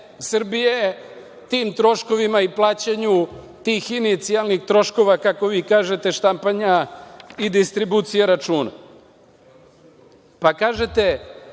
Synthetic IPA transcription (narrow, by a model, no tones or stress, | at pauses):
sr̩bije | t̪iːmt̪ɾo̞ʃko̞ʋimaiplˠaːt͡ɕaɲu | t̪iːxinit̪sialˠnixt̪ɾo̞ʃko̞ʋakako̞ʋiːkaːʒe̞t̪e̞ʃt̪ampaɲaid̪ist̪ɾibut̪sijeɾat͡ʃuːna̰ | pakaːʒe̞t̪e̞